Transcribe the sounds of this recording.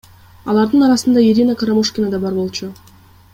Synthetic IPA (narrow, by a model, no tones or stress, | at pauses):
ɑlˠɑɾd̪ɯnɑɾɑsɯnd̪ɑiɾʲinakaɾamoʂkʲinad̪ɑbɑɾbo̞lˠt͡ʃu